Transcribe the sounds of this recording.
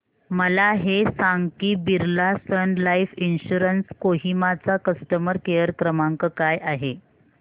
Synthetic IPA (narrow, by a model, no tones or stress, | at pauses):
məlaɦesaŋɡkiːbiɾlasənlaifinɕuɾənskoɦimat͡sakəsʈəməɾkejəɾkɾəmaŋkəkajaɦe